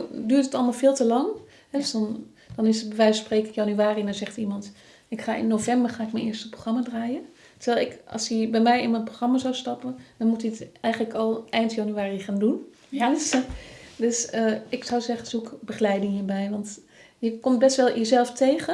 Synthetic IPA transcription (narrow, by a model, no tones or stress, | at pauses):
dyːrtətɑlˠmaːlˠfɪːlˠtəlɑŋ | ɦɛdsdɔn | d̥ɔnɪsətbəʋɛjspreːkɪkjanyaːridanzɛχtimɑnt | ɪkχaːʔɪ̰nːowvɛmbərχaːɪkmənɪərstəproxrɑmaːdraːjə | təɹʋɛːlˠɪkɑ̰lˠsjəbɛjmɛjɪnmənproχrɑmazawstɑpənd̥ɔnmutiətɛjχənləkɔlˠʔɛjntjɑnyaːriχaːndun | døsəɪksɔwzɛχənzukbəχlɛjdɪŋjəbɛjʋɑnt | jəkɔmt̚bɛstʋɛlˠjəzɛlˠftʰejχə